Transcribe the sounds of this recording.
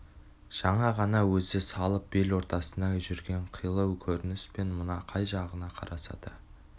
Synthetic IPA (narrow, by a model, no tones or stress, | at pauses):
ʒ̥ɑɴɑʁɑnɑwɵzɪsɑlˠəp̚belwo̞ɾt̪ɑsənd̪ɑʒʏɾɡʲe̞ɴqʰijlˠəwkʲʰɵɾɪnɪspe̞nmʊnɑqʰɑjʒɑʁənɑqʰɑ̰ɾʔɑsɑ̰d̪̥ə